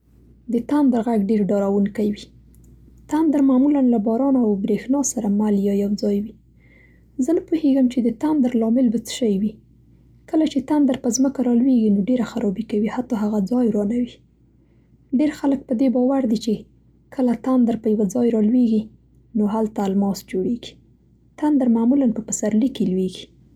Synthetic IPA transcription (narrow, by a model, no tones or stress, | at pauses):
d̪ət̪and̪aɾɣaɡɖeɾɖɑɾawunkajwi | t̪and̪əɾmamulanlabɑɾɑnoawbɾexnɑsaɾamaljɑjawd͡zɑjwi | zənəpuheɡəmt͡ʃed̪ət̪and̪aɾlɑmɪlbat͡sə̥ʃəjwi | kəlat͡ʃet̪and̪aɾpəzməkaɾɑlweɡinoɖeɾaxaɾʔɑbikawihat̪ɑɦaɣad͡zɑjɾɑnawi | ɖeɾxalək̚pəd̪ebɑwaɾd̪it͡ʃe | kʰəlat̪and̪aɾpəjawad͡zɑjɾɑlweɡi | noɦalt̪almɑsd͡ʒoɽeɡi̥ | t̪and̪aɾmamulanpəpəsaɾlikelweɡi̥